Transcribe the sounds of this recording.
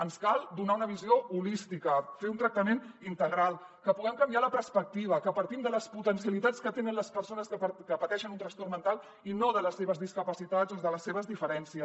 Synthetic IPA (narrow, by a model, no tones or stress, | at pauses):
ənskalˠd̪unaunəβ̞izioulist̪ikəfeunt̪ɾək̚t̪əmenint̪əɣɾalˠ | kəpuɣɛmkəmbialəpəɾspək̚t̪iβ̞əkəpəɾt̪imd̪ələsput̪ənsiəlit̪at͡skət̪enənləspəɾsonəskəkəpət̪ɛʃənunt̪ɾəst̪ormənt̪alˠ | inoðələsːeβəzðiskəpəsit̪ad͡zozðələsːeβəzðifəɾɛnsiə